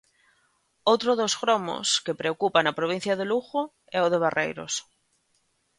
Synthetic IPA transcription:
owt̪ɾoðosɣɾomo̰skepɾeokupanapɾoβĩn̟θjaðeluɣo | ɛoðeβ̞arʔḛjɾo̰s

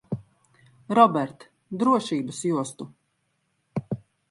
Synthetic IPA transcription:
ɾɔbɛɾt̪ | d̪ɾuɔʃiːbɐsjuɔst̪u

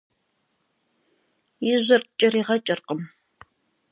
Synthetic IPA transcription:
ɪʑɪrt͡ʃʼɪriːʁɐt͡ʃʼɪrqəm

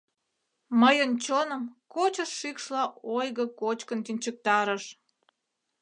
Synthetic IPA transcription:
məjənt͡ɕonəmkot͡ɕəʃːikʃlɑojɣəkot͡ɕkənt̪inʲt͡ɕək̚t̪ɑɾəʃ

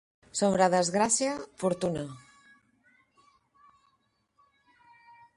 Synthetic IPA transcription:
soβɾaðəzɣɾasjafuɾt̪una

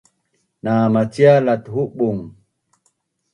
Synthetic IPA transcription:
namat͡sialat̪huɓuŋ

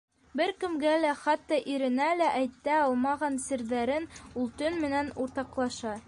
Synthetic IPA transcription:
bɘɾkɘ̆mɡælæχæt̪ːɑʔiɾɘ̆nælæʔæjt̪ːæɑlˠmɑʁɑnsɘ̆ɾðæɾɘnulˠt̪ɵnmɘ̆nænuɾt̪ɑqlˠɑʃɑ

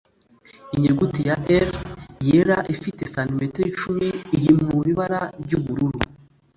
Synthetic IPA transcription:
iɲeɡutijaʔeɾjeɾaʔifitesanimeteit͡ʃumiːɾimuβiβaɾaɾɟuβuɾuɾu

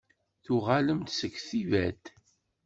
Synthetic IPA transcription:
θuʁaləmt̪səkːθivæd̪

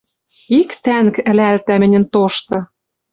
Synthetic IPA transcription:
ikt̪æŋkɘ̆lælt̪æmɘ̆nʲɘ̆nt̪oʃt̪ɤ̆

